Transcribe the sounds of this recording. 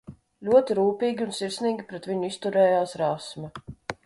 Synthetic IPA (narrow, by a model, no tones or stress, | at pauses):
lʲuɔt̪iɾuːpʲiːɡʲiunsiɾsniːɡʲipɾɛt̪vʲiɲʊist̪uɾɛːjaːsɾawsmɛ